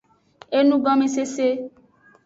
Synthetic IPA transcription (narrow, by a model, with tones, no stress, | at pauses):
e˦nũ˦ɡɔ̃˦mĩ˦s̬e˦se˦